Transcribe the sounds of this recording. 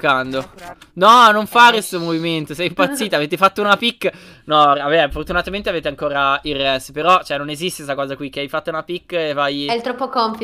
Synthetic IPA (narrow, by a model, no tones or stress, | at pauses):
kːand̪o | nɔnoɱfaɾest̪omoviment̪osɛjimpat̪sːiːt̪aːveːt̪efat̪ːounapikː | nɔavɛfort̪unat̪ament̪eaveːt̪eaŋkoːɾairːɛspeɾɔt͡ʃoɛnːonezist̪esakɔːzakwik̟ːeajfat̪ːaunapikːevajɛlt̪ɾɔpːokompi